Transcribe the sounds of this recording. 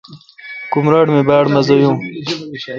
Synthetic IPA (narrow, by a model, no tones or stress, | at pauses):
kumɾaɖmebaːɽmɐzɐjũː